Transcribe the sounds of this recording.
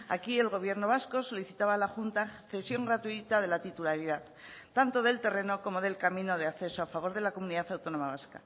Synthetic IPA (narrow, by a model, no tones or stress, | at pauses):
a̰kie̞lɣo̞β̞je̞ɾno̞β̞asko̞so̞liθit̪aβalaxunt̪aθe̞sjo̞ŋɡɾat̪uit̪að̞e̞lat̪it̪ulaɾiðað | t̪ːant̪o̞ðe̞lt̪e̞re̞no̞ko̞mo̞ðe̞lkamĩno̞ð̞e̞aθe̞soafaβo̞ɾð̞e̞lako̞muniðaθawt̪o̞nomaβ̞aska̰